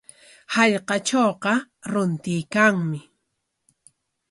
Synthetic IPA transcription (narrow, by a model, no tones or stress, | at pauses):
hɑʎqɑt͡ʃoːqɑ | ɾʊnt̪ɪjkaŋmɪ